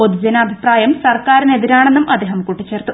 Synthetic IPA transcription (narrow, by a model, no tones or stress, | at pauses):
poðud͡ʑɐnɐːbʱipraːjɐmsɐrkaːɾine̞ðiɾaːɳe̞nːumʔɐd̪eːɦɐmkuʈːit͡ɕːe̞ːrt̪u̥